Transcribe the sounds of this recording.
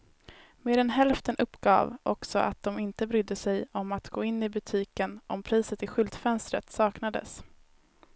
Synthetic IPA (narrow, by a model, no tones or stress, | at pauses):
meːɾɛnɦɛlft̪ənʔɵpːɡ̥ɑ̰ːvʔɔksɔ̰ʔa̰t̪̚d̪ɔmɪnt̪əbɾʏd̪ːəsɛjɔmat̪ɡoːɪnːɪbɵt̪ʰiːkənʔɔmpʰɾiːsət̪ɪɧʏlt̪fɛnst̪ɾət̪sɑːknad̪ə̰s